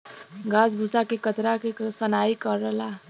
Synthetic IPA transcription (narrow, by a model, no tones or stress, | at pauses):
ɡasbʱusakekət̪ɾakesənaikəɾːəɦla